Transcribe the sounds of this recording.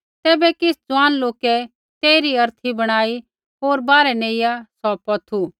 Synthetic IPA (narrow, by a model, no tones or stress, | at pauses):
t̪ɛːbɛkɪsd͡zʊʋaːnloːkɛ | t̪eːɾiɐɾt̪ʰibɐɽ̃aːi | ɦoːɾbaːɾɛneːɪjasɔpɐt̪ʰu